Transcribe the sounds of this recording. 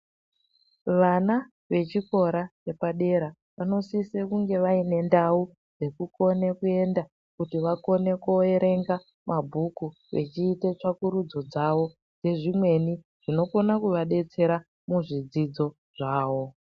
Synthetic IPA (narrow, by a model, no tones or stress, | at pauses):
ʋana | ʋe̞t͡ʃiko̞ɾat͡ʃe̞paɗe̞ɾa | ʋano̞sisekuŋɡe̞ʋaine̞ndau | d͡ze̞kuko̞nekue̞nda | kutiʋako̞ne̞koe̞ɾe̞ŋɡa | mabʱuku | ʋe̞̰t͡ʃiːte̞t͡ʂakuɾud͡zo̞d͡zaʋo̞ | d͡ze̞ʐimwe̞ni | ʐ̥ino̞ko̞nakuʋaɗe̞t͡se̞ɾa | muʐid͡zid͡zo̞ | ʐ̥aːʋo̞